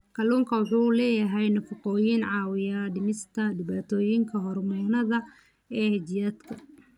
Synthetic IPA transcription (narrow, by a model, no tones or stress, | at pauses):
kʰɐluːŋkʰɐwɑħuːlɛːjɐɦɛjnɐfʊqɔːjɪnʕɑːwɪjaɖɪmɪst̪ʰɐɖɪβaːt̪ʰɔːjɪŋkʰɐɦɔrmɛnɐðɐ | ɛːhɛd͡ʒijaːd̪kʰɐ